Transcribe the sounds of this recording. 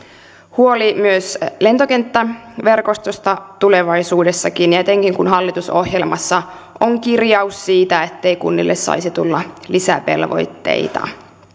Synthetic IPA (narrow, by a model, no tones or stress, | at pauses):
huolimyøsle̞nt̪o̞kent̪ːæʋe̞rkost̪ost̪ɑt̪ule̞ʋɑjsuːde̞sːɑkinjæt̪eŋkiŋkunɦɑlːit̪uso̞hjelmɑsːɑ | ʔoŋkirjɑusːiːt̪æet̪ːe̞jkṵnːḭlːessɑ̰isit̪ulːɑlisæ̰pe̞̰lʋo̞̰jt̪ːe̞̰it̪ɑ̰